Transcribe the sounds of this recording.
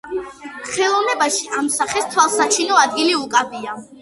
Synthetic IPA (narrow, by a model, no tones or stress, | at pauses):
χɛlˠɔvnɛbaʃiʔamsaχɛst̪ʰwalˠsat͡ʃʰinɔad̪ɡiliukʼabia